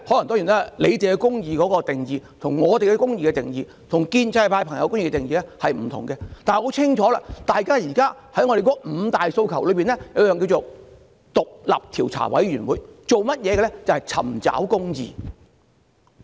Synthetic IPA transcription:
ho˨˥lɐ˨˩ŋt̪ɔː˥ŋji˨˩na˥˨le˨˧jt͡se˨ɛ˧kʊ˥ŋjiː˨˧kɔː˨˥kɔː˧t̪ɪ˨ŋjiː˨t̪ʰʊ˨˩ŋːɔː˨˧t̪e˨jkɛ˧kʊ˥ŋjiː˨˧kɛ˧t̪ɪ̰˨ŋjiː˨ | t̪ʰʊ˨˩ŋkiː˧nt͡sɐ˧jpʰaː˧jpʰɐ˨˩ŋjɐ˨˧wkʊ˥ŋjiː˨˧kɛ˧t̪ɪ˨ŋjiː˨lɛ˥hɐ˨jm̩˨˩t̪ʰʊ˨˩ŋɡɛ˧t̪aː˨nɛ˨˩ho˨˥wt͡sʰɪ˥ŋt͡ʃʰɔː˨˥la̰ː˧t̪aː˨jkaː˥jiː˨˩kaː˥hɐ˨˥jŋɔ˧ɾe˨˩kɔː˧˥m̩˨˧t̪aː˨jso˧wkʰɐ˨˩wlɵ˨˧ɥpiː˨nlɛ˥jɐ˨˧wjœː˨ŋki˧wt͡ʃo˨ | t̪ʊ˨k̚lɐ̰˨p̚t̪ʰiː˨˩wt͡sʰa̰ː˨˩wɐ̰˨˥jɥyː˨˩nwuː˨˧˦jt͡ʃo˨wmɐ˥t̚jɛː˨˧ɡɛ˧lɛ˥t͡sɐ˨whɐ˨jt͡sʰɐ̰˨˩mt͡sa̰ː˨˥wkʊ˥ŋjḭː˨

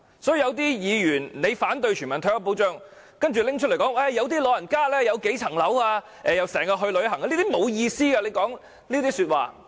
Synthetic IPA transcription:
sɔː˨˥jiː˨˧jɐ˨˧wt̪̬iː˥jiː˨˧jyː˨˩nne˨˧jfaː˨˥nt̪̬ɵ˧ɥt͡ʃʰyː˨˩mɐ˨˩nt̪ʰœː˧˥ɐ˥po˨˥wt͡ʃœː˥ŋ | kɐ˥nt͡ʃy˨lɪ˥ŋt͡ʃ̚ʰlkɔː˨˥ŋʔɛ˥˩jɐ˨˧wt̪iː˥lɔː˨˧jɐ˨˩nkaː˥lɛː˥jɐ˨˧wke˨˥jt͡sʰɐ˨˩ŋlɐ˨˥waː˧ | ʔɛː˨jɐ˨˧wsɛː˨˩ŋkaː˧ɦɵ˧lɵ˨˧ɥɦɐ˨˩ŋka˧˦liː˥t̪i˥mo˨˧wjiː˧siː˥ɡa˧le˨˧jkɔː˨˥ŋ | niː˥t̪iː˥sy˧t̚wa̰ː˨˩

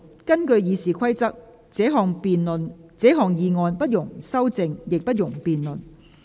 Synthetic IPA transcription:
kɐ˥nkɵ˧ɥjiː˨˧siː˨kʰɐ˥jt͡sɐ˥k̚ | t͡sɛː˨˥ɦɔː˨˩ŋpiː˨nlnt͡sɛː˨˥ɦɔː˨ŋjiː˨˧ŋɔː˧npɐ˥t̚jʊ˨˩ŋsɐ˥wt͡sɪ˧ŋjɪ˨k̚pɐ˥t̚jʊ˨˩ŋpiː˨nlɵ˨n

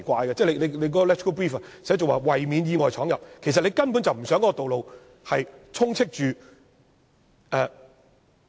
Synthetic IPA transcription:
kʷaː˧jkɐ˧t͡sɛː˥˩le˧le˨˧le˨˧jk̬ɔː˨˥kɔ˧lɛ˥tʰɪ˥kpɹiː˥˩fɐ˧sɛː˨˥t͡so˨waː˨wɐ˨˩jmiː˨˧njiː˧ŋɔː˨˩jt͡sʰɔː˨˥ŋjɐ˨p̚kʰe˨˩js̬ɐ˨t̚le˨˧jkɐ˥npu˨˥nt͡sɐ˨wm̩˨˩sœː˨˥ŋkɔ˨˦˥ɔ˧t̪o˨wlo˨w | hɐ˨jt͡sʰʊ˥ŋt͡sʰɪ˥k̚t͡ʃyː˨ | ʔɛː˨˧

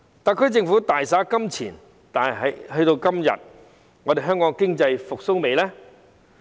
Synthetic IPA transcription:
t̪aː˨˩kʰɵ˥t͡sɪ˧ŋfuː˨˥t̪aː˨jsaː˨˥kɐ˥mt͡sʰiː˨˩n | t̪aː˨˩n˨˩ɦɐ˨˥jhɵ˧ɥt̪o˧wkɐ˥mjɐ̰˨t̚ | ŋɔ˨˧de˨jɦœː˥ŋkɔː˨˥ŋkɪ˥ŋt͡sɐ˧jfʊ˨k̚so˥wme˨˧jlɛː˥

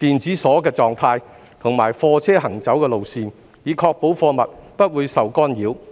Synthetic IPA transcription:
t̪iː˨˩nt͡siː˨˥sɔː˨˥kɛː˧t͡sɔː˨ŋt̪ʰaː˧j | t̪ʰʊ˨˩ŋmaː˨˩jfɔː˧t͡sʰɛː˥ɦɐ˨˩ŋt͡sɐ˨˥wkɛː˧lo˨wsiː˨˧n | jiː˨˧kʰɔː˧k̚po˨˥wfɔː˧mɐ˨t̚pɐ˥t̚wuː˨˧jsɐ˨wkɔː˥njiː˨˥w

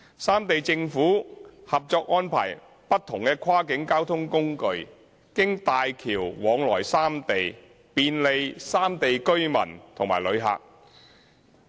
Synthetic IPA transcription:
saː˥mt̪e˨jt͡sɪ˧ŋfuː˨˥hɐ˨p̚t͡sɔː˧k̚ʔɔː˥npʰa̰ː˨˩j | pɐ˥t̚t̪ʰːʊ˨˩ŋkɛː˧kʰwaː˥kɪ˨˥ŋkaː˥wt̪ʰʊ˥ŋkʊ˥ŋkɵ˨˧ɥ | kɪ˥ŋt̪aː˨jkʰiː˨˩wwɔː˨˧ŋlɔː˨˩jsaː˥mt̪e˨j | piː˨˧nle˨˧jsaː˥mt̪e˨jkɵ˥ɥmɐ̰˨˩nt̪ʰʊ˨˩ŋma̰ː˨˩jlɵ˨˧ɥɦa̰ː˨k̚

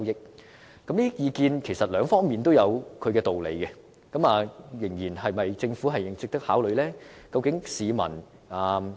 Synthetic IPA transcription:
wjɪ˥k̚ | kɐ˨˥mniː˥jiː˨˧kiː˧nkʰe˨˩jsɐ˨t̚lœː˨˧ŋfɔː˥ŋmiː˨nt̪o˥wjɐ˨˧wkʰɵ˨˧ɥkɛː˧t̪o˨wlḛ˨˧jkɛ˧ | kɐ˨˥maː˨˧jɪ˨˩ŋjiː˨˩nɦɐ˨jmɐ˨jt͡sɪ˧ŋfuː˨˥ɦɐ˨jɪ˨˩ŋsɪ˥k̚t̪ɐ˥k̚haː˨˥wlɵ˨˧ɥlɛː˥kɐ˧wkɪ˨˥ŋsiː˨˧mɐ̰˨˩n | aː˨˩

